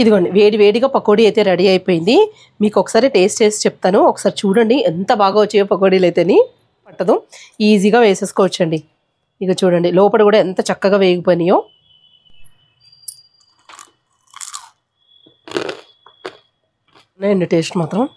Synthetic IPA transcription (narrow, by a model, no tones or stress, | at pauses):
id̪iɡoːɳɖiʋeːɽiʋe̞ːɽiɡaːpɐkoːɽiːɐjt̪e̞ːɾɐɽiɐjpoːjind̪i | miːkɔkːɐ̥saːɾiʈe̞ːsʈt͡ʃe̞ːst͡ʃɛp̚t̪aːnuɔkːɐsaːɾit͡ʃuːɽɐɳɖient̪ɐbaːɡaːʋot͡ʃːijoːpɐkoːɽiːleːt̪eɐni | pɐʈːɐd̪uiːziːɡaːʋeːseːsi̥koɔːʋɐt͡ʃːɐɳɖi | ikat͡ʃuːɽɐɳɖilɔːpɐɽikuːɽaːent̪ɐt͡ʃɐkːɐɡaːʋeːjɡipojnɐjoː | nɐjniʈeːʂɐnmaːt̪ɾɐm